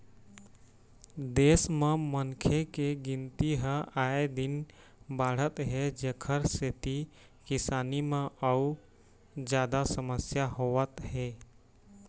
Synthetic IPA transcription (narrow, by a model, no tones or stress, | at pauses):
d̪esmemənkʰekeɡint̪iɦəaed̪in | baɽ̤ət̪ɦed͡ʒekʰəɾset̪i | kɪsaːnimeəu | d͡ʒjad̪asəməsjaɦoʋət̪ɦe